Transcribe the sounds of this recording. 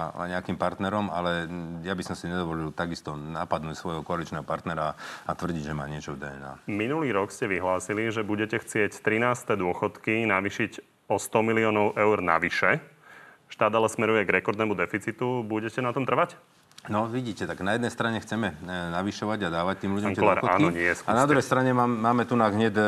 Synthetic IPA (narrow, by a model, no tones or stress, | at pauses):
a̰ɲɛakimpaɾt̪nɛɾɔma̰lɛjabisɔmsiɲɛd̪ɔʋɔlilt̪aɡist̪ɔnapad̪nucsʋɔjɦɔkɔalit͡ʃnɛːɦɔpaɾt̪nɛɾaat̪ʋr̩ɟiɟʒɛmaːɲɪɛt͡ʃɔvd̪ɛɛna̰ːminuliːɾɔkscɛʋiɦlaːsiliʒɛbuɟɛcɛxt͡sɪɛct̪ɾinaːst̪ɛd̪ʊɔxɔt̪kinaʋiʃiɟ | ɔst̪ɔmiliɔːnɔʊʔɛʊɾna̰ʋiʃɛ | ʃt̪aːd̪alɛsmɛɾujɛɡɾɛkɔɾd̪nɛːmud̪ɛfit͡sit̪ubuɟɛcɛnat̪ɔmt̪r̩ʋac | nɔʋiɟiːcɛt̪aɡnajɛd̪nɛjst̪ɾaɲɛxt͡sɛmɛnaʋiʃɔʋaɟad̪aːʋac̚t̪iːmlʎuɛŋklɛɾaːnɔɲɪɛjɛsknad̪ɾuɦɛjst̪ɾaɲɛaːmaːmɛt̪unaɦɲɛd̪